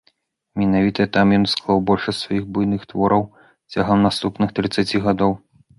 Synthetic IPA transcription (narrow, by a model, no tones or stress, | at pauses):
mʲɛnavʲit̪ɐt̪amjɔnsklˠawbɔlʲʂɐsʲt̪ʲsvajixbujnɨxt̪vɔɾɐw | t͡sʲaɣɐmnast̪upnɨxt̪ɾɨt̪sːat͡sʲiɣad̪ɔw